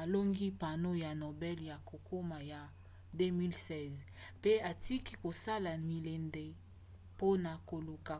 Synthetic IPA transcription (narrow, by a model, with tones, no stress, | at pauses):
a˨lo˦ŋɡi˦pa˨no˦ja˨no˨bɛ˦lja˨ko˨ko˦ma˨ja˨ | de˦mi˦lsɛ˦z | pe˦a˨ti˦ki˦ko˨sa˦la˨mi˨le˨nde˨ | po˦na˨ko˨lu˨ka˨